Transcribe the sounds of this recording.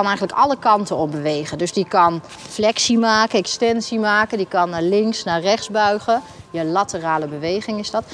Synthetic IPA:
ɑnɛjχənləkɑləkɑntənɔpbəʋejχəndɵsdikɑn | flɛksimaːkəɛkstɛnsimaːkəndikɑnaːlɪŋksnaːrɛχzbœɥχəjəlatəraːləbəʋejχɪŋɪzdɑt

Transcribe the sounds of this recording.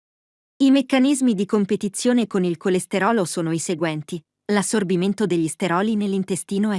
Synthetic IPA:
imekːanizmid̪ikompet̪it̪sːjoːnekonilkolest̪eɾɔːlosoːnoiseɡwɛnt̪i | lasːorbiment̪od̪eʎːist̪eɾɔːlinelːint̪est̪iːnoɛ

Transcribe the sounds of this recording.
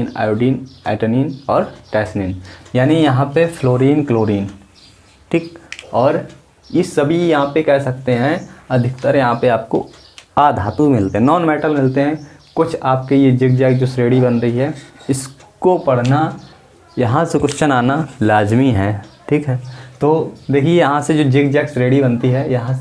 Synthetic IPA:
na̰ːjoɖiːnɛ̰ːʈəniːnɔːɾʈɛːsniːnjaːnijɐɦãpefloːɾiːnkloːɾiːn | ʈʰiːkɔːɾ | jesɐbʱijɐɦãpekɛɦsɐk̚t̪eɦɛ̃ɐd̪ʱɪkt̪əɾjɐɦãpeaːp̚ko̰ | aːd̪ʱaːt̪ũmɪlt̪eɦɛ̃nɔːnmɛːʈəlmɪlt̪eɦɛ̃kʊt͡ʃʰaːp̚kejed͡ʒɪɡ̚d͡ʒɛːkd͡ʒoːsɾeːɽibɐnɾɐɦiɦɛɪskopɐɽ̤na | jɐɦãsʊkʊʃt͡ʃənaːnalaːd͡ʒmiɦɛːʈʰiːkɦɛːt̪oːd̪eːkʰiejɐɦãsed͡ʒoːd͡ʒɪkd͡ʒɛːksɾeːɽibɐ̃nt̪iɦɛjɐɦã

